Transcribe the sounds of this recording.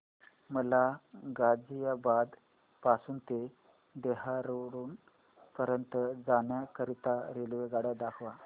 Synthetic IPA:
məlaɡad͡zijabad̪ | pasuːnt̪e | d̪eɦaɾəɾuːn | pəɾjənt̪d͡zaɳjakəɾit̪aɾelʋeɡaɽad̪akʰʋa

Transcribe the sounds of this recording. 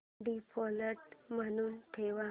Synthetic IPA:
ɖipʰɔləʈm̤əñuːnʈʰeʋa

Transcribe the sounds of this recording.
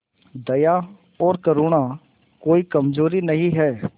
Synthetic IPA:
d̪ɐja | ɔːɾkɐɾuːɽ̃a | koːikɐmd͡ʒoːɾinɐɦĩɦɛː

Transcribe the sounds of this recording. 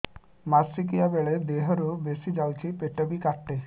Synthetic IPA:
masik̬iabeɭed̪eɦɔɾobesid͡ʒawt͡ɕʰipeʈobikaʈːe

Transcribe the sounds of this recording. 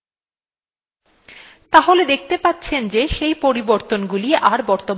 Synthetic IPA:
t̪aɦoled̪ek̚ʰt̪epat̪ːɕʰend͡ʑeʃejpoɾiboɾt̪onɡuliʔaɾbɔɾt̪om

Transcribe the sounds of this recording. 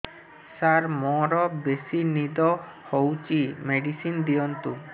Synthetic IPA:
saɾmɔɾɔbesinid̪ɔhowt͡ɕimeɖisind̪iɔnt̪u

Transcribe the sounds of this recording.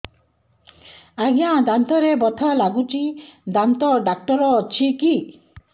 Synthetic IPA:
aɡjãd̪ant̪ɔɾebɔt̪ʰɔlaɡut͡ʃid̪ant̪ɔɖak̚ʈɔɾɔt͡ʃʰiki

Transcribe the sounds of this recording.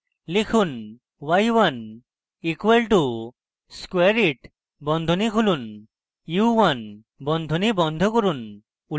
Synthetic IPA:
lekʰun | wajwan | ikuwelʈu | skweɾiʈ | bɔnd̪ʱɔnikʰulun | uwwan | bɔnd̪ʱɔnibɔnd̪ʱɔkɔɾun | u

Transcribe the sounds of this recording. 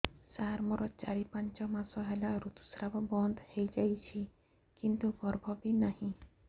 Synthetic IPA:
saɾmɔɾɔt͡ʃaɽipant͡ʃɔmasɔɦelaɾut̪u̥sɾabɔbɔnd̪ʱhejd͡ʒajt͡ʃʰi | kint̪uɡɔɾbʱɔbinahĩ

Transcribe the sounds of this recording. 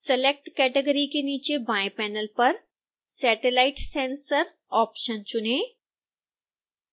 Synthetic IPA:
selek̚ʈkɛːʈeɡəɾikeniːt͡ɕebaːjpɛːnəlpɐɾ | sɛːʈelaːɪʈsẽːnsəɾ | ɔːpʃənt͡ɕʊne

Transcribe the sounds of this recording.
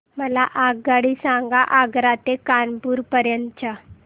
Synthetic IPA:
məlaʔaɡɡaɽisãŋɡaʔaɡɾat̪ekanpuːɾpəɾjənt͡ɕa

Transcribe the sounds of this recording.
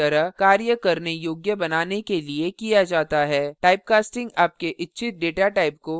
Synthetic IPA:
ɐɾəɦkaːɾjəkɐɾnejoːɡjəbɐnaːnekeliekijad͡ʒaːt̪aɦɛːʈaːɪp̚kaːsʈɪ̃ŋɡaːp̚keʔɪtːʃʰɪt̪̚ɖeːʈaʈaːɪp̚ko

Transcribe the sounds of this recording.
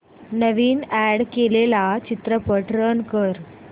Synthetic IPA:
nəʋiːnæɽkelelat͡ɕit̪ɾəpəʈɾənkəɾ

